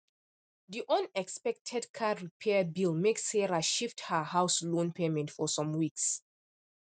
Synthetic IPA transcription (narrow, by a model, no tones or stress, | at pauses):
diʔɔ̃nɛkspɛk̚tʰɛdkʰaɹipʰɛbilˠmeksɛɹaʃifthəhaʊslõnpʰemɛ̃ntfɔsɔ̃mwiks